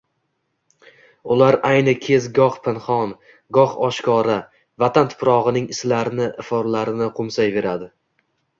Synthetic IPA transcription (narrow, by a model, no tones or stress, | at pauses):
ʊlaɾajnɪkʲʰe̞zɡɒχpʰɪnχɒn | ɡɒχɒʃkɒɾa | vat̪ʰant̪ʰʊ̥pɾɒʁɨnɪŋɪslaɾɪnɪʔɪfɒɾlaɾɪnɪqʰʊmsajve̞ɾad̪ɪ